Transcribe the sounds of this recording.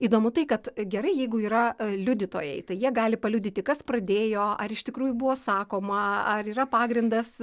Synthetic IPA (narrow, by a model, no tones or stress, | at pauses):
iːd̪oːmʊt̪ɐɪkɐt̪ɡʲɛɾɐɪjɛɪɡʊiːɾɐlʲʊd̪ʲɪt̪o̰ːjɛɪt̪ɐɪjiɛɡɑːlʲɪpɐlʲʊːd̪ʲɪt̪ʲɪkɐsprɐd̪ʲeːjoːɐɾɪʃt̪ʲɪkɾuːjʊbʊʋoːsɑːkoːmɐɐriːrɐpɑːɡɾʲɪnd̪ɐs